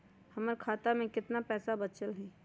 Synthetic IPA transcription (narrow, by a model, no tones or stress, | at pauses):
həməɾkʰaːt̪amẽkɪt̪napɛːsabət͡ʃəlɦɛː